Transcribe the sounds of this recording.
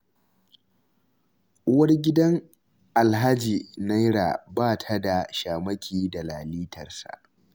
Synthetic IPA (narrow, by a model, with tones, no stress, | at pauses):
ʊ˦wɐ˦rɡʲɪ˦dɐ˦ŋ | ʔa˨lɦa˦d͡ʒiː˨na˦jɽa̰ː˨baː˦tʰa˦da˨ʃaː˨mɐ˦kʲʰiː˨da˨laː˨liː˦tʰɐ˨rsa̰˨ʔ